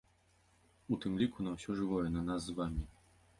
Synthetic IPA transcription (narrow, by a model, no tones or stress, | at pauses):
ut̪ɨmlʲikunawɕɔʐɨvɔjɛnanazːvamʲi